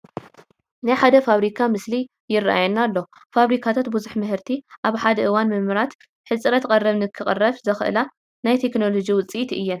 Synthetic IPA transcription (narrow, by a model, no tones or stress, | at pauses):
najħad̪ɐfaβɾikʰamɨsli | jɪrːa̰ʔa̰jɛnːalːo̞ | faβɾikʰat̪ʰat̪̚buzuħmɨɦɨɾt̪ʰiʔaβħad̪ɐʔɨwanmɨmɨɾat̪ | ħɨt͡sʼɾɐt̪kʼɐrːɐβnɨkʰɨχʼɐrːɐβzɐxɨʔɨ̰la | najt̪ʰe̞kno̞lo̞d͡ʒiwʊt͡sʼit̪ʔɨjːɛn